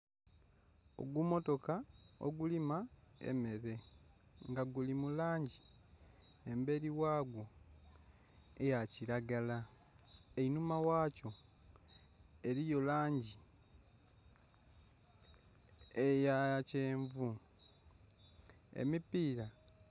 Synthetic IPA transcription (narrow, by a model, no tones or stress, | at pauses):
o̰ɡwumo̞to̞kao̰ɡulimaḛmeɾe̞ŋɡaɡulimulaːɲɟi | embe̞ɾiwaːɡwo̞ | ejaciɾaɡala | einumawaːco̞ | e̞ɾijo̞laːɲɟi | ejace̞ːɱvu | ḛmipiːɾa